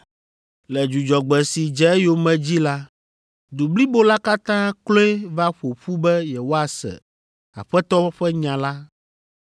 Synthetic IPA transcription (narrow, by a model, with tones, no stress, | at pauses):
lɛ˨d͡ʒu˨d͡ʒɔ˨ɡ͡bɛ˨si˨d͡ʒɛ˦ɛ˦jo˦mɛ̃˨d͡ʑi˦la˦ | d̪u˨bli˦bo˦la˦ka˦t̪ã˦klo˦ɛ˦va˦ɸo˨ɸu˦bɛ˦jɛ˨wo˦a˨sɛ̰˨ | a̰˨ɸɛ˦t̪ɔ˦ɸɛ˦ɲã˨la˦